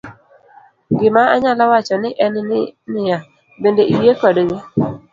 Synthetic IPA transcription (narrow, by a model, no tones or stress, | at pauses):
ɡɪmaaɲalawat͡ʃɔnɪʔɛnɪnɪja | bendeʔiwjekɔdŋe